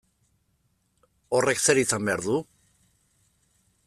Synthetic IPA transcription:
ore̞kse̞ɾisambe̞aɾðu

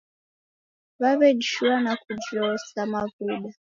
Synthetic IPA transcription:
βaβɛd͡ʒiʃuanakud͡ʒɔsamavuɗa

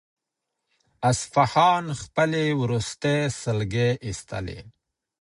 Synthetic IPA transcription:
asfahɑːnxpəlewɾust̪esəlɡeʔist̪a̰lḛ

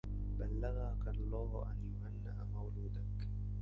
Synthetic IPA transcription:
balːaɣakalˤːɑːhʔa̰njʊmanːaʔamawluːd̪ak

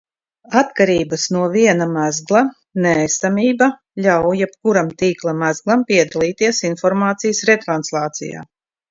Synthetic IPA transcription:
at̪kaɾiːbasnuɔviɛnamæzɡlˠa | nɛst̪amʲiːba | lʲawjɛp̚kuɾamt̪iːklˠamæzɡlˠampiɛd̪alˠiːt̪iɛsinfɔɾmaːt̪sijəsɾet̪ɾanslˠɑːt̪sḭja̰ː

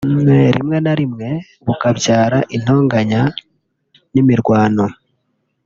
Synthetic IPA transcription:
eɾḭmŋe̞naɾimŋe̞ | βukaβjaːɾaʔin̥o̞ːŋɡaɲa | nimiɾɡwaːno̞

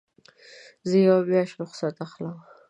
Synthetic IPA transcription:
zəjawbjɑʃɾʊχsat̪axləw

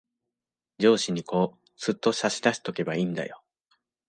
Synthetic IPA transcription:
d͡ʑo̞ːɕiɲ̟iko̞ː | d͡z̥ɨt̪ːo̞ɕaɕid̪aɕi̥t̪o̞ke̞baĩnd̪a̰jo̞

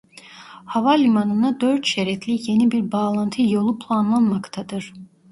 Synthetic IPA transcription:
hɑvɑlʲimanɯnad̪øɾt̪ʃɛɾɛt̪ʰlije̞nibiɾbɑːlˠant̪ʰɯjo̞lˠupʰlˠanlˠanmɑkt̪ʰɑd̪ɯɾ̥

